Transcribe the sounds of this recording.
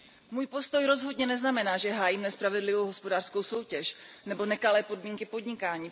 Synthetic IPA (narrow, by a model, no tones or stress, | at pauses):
muːjpo̞st̪o̞jɾo̞zɦo̞dɲɛnɛznamɛnaːʒɛɦaːjiːmnɛspɾavɛdlɪvowɦo̞spo̞daːr̥sko̞wso̞wcɛʃnɛbo̞nɛkalɛːpo̞dmiːŋkɪpo̞dɲɪkaːɲiː